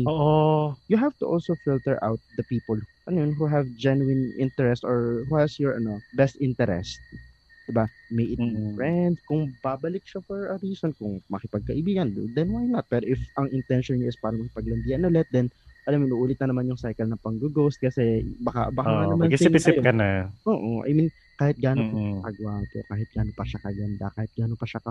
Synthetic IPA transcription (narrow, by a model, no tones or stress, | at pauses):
oʔojʊɦav̥t̪ʊ̰ʔolsofɪlt̪ɛɹʔa̰wt̪̚d̪ɐpiːpolʔɐnojonɦuɦɛvd͡ʒɛnuɪnʔɪ̰̃nt̪ɛɹɛst̪ɔɹhuhɛsjɔɹɐ̰nobɛst̪ʔɪnt̪ɛɾɛ̰st̪̚ | d̪ɪba | mejʔɪt̪fɹɛnd̪kʊŋbabɐlɪk̚ʃɐfɔɹɐɾiːsonkʊŋmɐkɪpɐɡ̚kɐʔɪbiːɡɐnd̪ɛnwajnɐt̪̚pɛːɾoʔɪfɐŋʔɪnt̪ɛnʃonɲaʔɪspaːɾɐmɐkɪ̥pɐɡ̚lɐnd̪iːhɐnʔʊlɛt̪̚d̪ɛnʔɐlamɪnʔuʔuːlɪt̪̚nɐnɐmanjʊŋsajkɐlnɐpɐŋɡʊɡowst̪̚kɐsɛbɐka̰bɐkaɐnɐmanssɪjkɐnaʔoːʔoʔa̰mɪn | kaːhɪt̪̚ɡaːnopɐkɐɡwaːt̪ɛ̰kaːɦɪt̪̚ɡ̥aːnopɐʃakɐɡɐnd̪a̰kaːhɪt̪̚ɡaːnopɐʃaɐ